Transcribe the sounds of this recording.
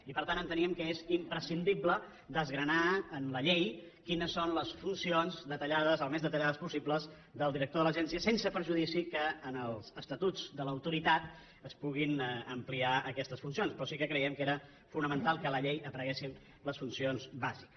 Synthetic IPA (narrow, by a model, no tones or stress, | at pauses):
ipəɾt̪anənt̪əniəmkəezimpɾəsind̪iblə | d̪əzɣɾənaənləʎej | kinəsːonləsfunsionzd̪ət̪əʎaðəzəlˠmezðət̪əʎaðəspusibləz | d̪əlˠd̪iɾək̚t̪oðələʒɛnsiəsensəpəɾʒuðisikəːnəlˠz̥əst̪ət̪ud͡zd̪ələwt̪uɾit̪at̪̚ | əspuɣinəmpliaəkɛst̪əsfunsionspɾɔsikəkɾəiɛmkeɾə | funəmənt̪alˠkələʎejəpɾəɣesin | ləsfunsionzbazik